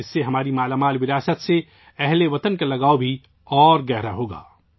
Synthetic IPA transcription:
ɪsːeɦɐmaːɾimaːlamaːlʋɪɾaːsət̪se | ɛɦleʋɐt̪ənkalɐɡaːobʱi | ɔːɾɡɛɦɾaɦoːɡa̰ː

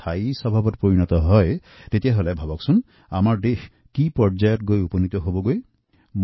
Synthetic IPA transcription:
ajsɔbʱabɔɾpoɹiñɔt̪ɔɦɔj | t̪et̪ijaɦolabʱabɔksun | amaɾɖeh | kipɔɾd͡ʒajɔt̚ɡojupɔnit̪ɔɦobɔɡoj | m

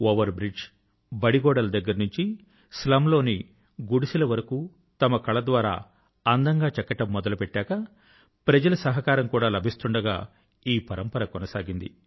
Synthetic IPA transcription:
oːʋɐɾbɾid͡ʒ | bɐɽiɡɔːɽɐlɐd̪ɐɡːɐɾnuɲt͡ʃi | slɐmlo̞ːni | ɡuɽisilɐʋɐɾɐkuː | t̪ɐmɐkɐɭɐd̪ʋaːɾa̰ː | ɐnd̪ɐŋɡaːt͡ʃɛkːɐʈɐmːɔd̪ɐlupɛʈːaːkɐ | pɾɐd͡ʒɐlɐsɐɦɐkaːɾɐmkuːɽaːlɐbʱist̪uɳɖɐɡa̰ː | iːpɐɾɐmpɐɾɐkɔnɐsaːɡind̪i

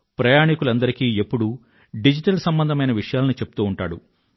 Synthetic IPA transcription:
pɾɐjaːɳikulɐnd̪ɐɾikiːepːuɽu | ɖid͡ʒiʈɐlsɐmbɐnd̪ʱɐmɐjnɐʋiʂɐjaːlɐnit͡ʃe̞pu̥t̪uːuɳʈa̰ːɽṵ

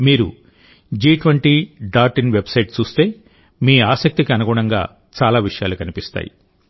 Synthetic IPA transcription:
miːɾṵ | d͡ʒiːʈʋɐɳʈiɖaːɾʈinʋebsɐjʈt͡ʃuːst̪e̞ː | miːaːsɐk̚t̪ikiɐnuɡuːɳɐŋɡa̰ː | t͡ʃaːlaːʋiʂɐjaːlukɐnipist̪a̰ːjḭ

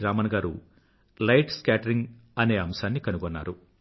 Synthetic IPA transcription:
ɾaːmɐnɐɡaːɾṵ | lɐjʈskaːʈɐɾiŋɡ | ɐne̞ːɐmsaːnːikɐnuɡɔnːa̰ːɾu

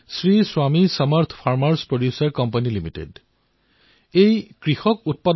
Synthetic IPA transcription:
sɹiswamisʌmaɹt̪ʰpʰaɹmaɹspɹodjusaɹkɔmpanilimitḛd | ejkɹixɔkut̚pad

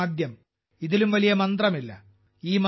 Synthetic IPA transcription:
d̪ʱjɐm | iðilumʋɐlijɐmɐnd̪rɐmilːɐ̰ | iːm

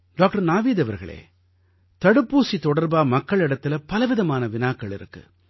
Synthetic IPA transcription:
ɖaːk̚ʈɐɾnaːʋiːðɐʋɐɾɣɐ̰ɭḛː | t̪ɐɽɯpːuːsit̪ɔɽɐɾbaːmɐkːɐɭɪɽɐt̪ːɪlɐpɐlɐʋɪðɐmaːnɐʋɪnaːkːɐɭɪ̰ɾɯ̰kːɯ̰

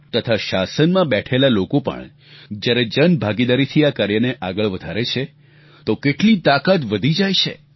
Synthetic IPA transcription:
t̪ət̪ʰaʃasənmãbɛʈʰelalokopə̰ɳ | d͡ʒjaɾed͡ʒənbʱaɡid̪aɾit̪ʰiakaɾjəneʔaɡəɭʋəd̪ʱaɾet͡ʃʰe | t̪okeʈlit̪akat̪ʋəd̪ʱid͡ʒajt͡ʃʰḛ

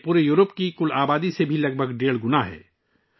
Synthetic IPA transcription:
puːɾejuːɾəpkikʊlaːbaːd̪isebʱilɐɡ̚bʱəɡɖeːɭɡʊnaɦɛ̰ː

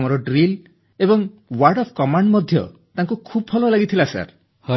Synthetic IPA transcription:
mɔɾɔɖɾil | ebɔŋwaɾɖɔpʰkɔmaɳɖmɔd̪ʱjɔ̰t̪aŋkukʰubɔpʰɔlɔlaɡit̪ʰilasa̰ɾ | hɔ

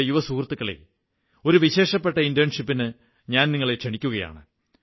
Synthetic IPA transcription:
juʋɐsuːrt̪ːukːɐɭḛ | o̞ɾuʋiɕe̞ːʂɐpːe̞ʈːɐindjɐnʂipːinɨ | ɲaːnniŋːɐɭe̞t͡ɕeɳikʲːuɣɐja̰ːɳɨ

